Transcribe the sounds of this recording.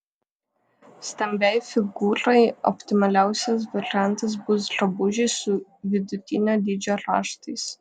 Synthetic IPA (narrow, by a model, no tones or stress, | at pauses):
sʲt̪ʲɐmʲbʲɛɪfʲɪɡuːɾɐɪɔ̰pʲt̪ʲɪmɐlʲæˑʊsʲɛs̬ʋɐɾʲɪjænˑt̪ɐs̬bʊs̬ɾɐbʊʒʲɪsʊʋʲɪd̪ʊt̪ʲɪnʲoːd̪ʲiːd͡ʒʲoːɾɑ̰ːʃt̪ɐɪs